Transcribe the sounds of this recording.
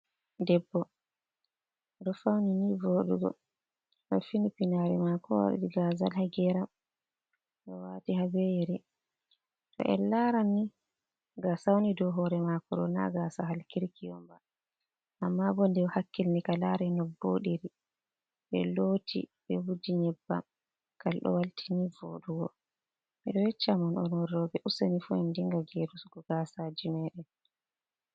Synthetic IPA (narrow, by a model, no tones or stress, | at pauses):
dɛbːɔ | dɔfawninivoɗuɡɔ̰ | ɗɛfinipinaɾɛmakɔwa̰ɗḭɗiɡazalhaɡɛɾam | ɗɛwatiɦabejɾi | tɔ̰ʔɛ̰laɾanːi | ɡasawnidɔɦɔɾɛmakɔɾɔ̰na̰ɡasaɦalkiɾkijɔmba | ʔamːabɔndɛwhakːilnikalaɾɛnɔbːoɗiɾi | ɓɛ̰lotʰḭɓɛwudiɲɛbːa̰m | kʰalɗɔ̰waltʰinivoɗuɡɔ | miɗɔjɛt͡ʃːamɔnɔnɔrɔbɛʔusanifuɛndiŋɡaɡeɾusɡɔɡ̥asad͡ʒimɛːɗɛ